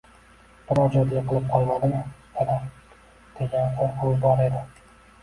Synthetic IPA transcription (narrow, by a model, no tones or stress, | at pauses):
b̥ɪɾɒd͡ʒɒd̪ɡʲaqʰɨlˠɪp̚qʰɒlˠmad̪ɪmɪ | ala | d̪̥e̞ɡʲanqʰolqʰolˠbɒɾe̞d̪ɪ